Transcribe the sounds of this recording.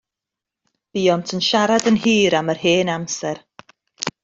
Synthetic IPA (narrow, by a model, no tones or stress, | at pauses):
b̥iːɔmtʰənʃaɾadənhiːɾamərheːnamsɛr